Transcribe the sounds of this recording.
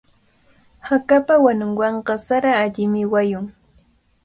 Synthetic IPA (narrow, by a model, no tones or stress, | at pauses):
hakapawanʊŋwɑɴqɑsaɾaːʎɪmɪwajʊŋ